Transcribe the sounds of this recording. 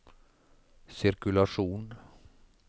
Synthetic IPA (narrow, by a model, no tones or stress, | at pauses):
sɪɾkʉlaʂuːn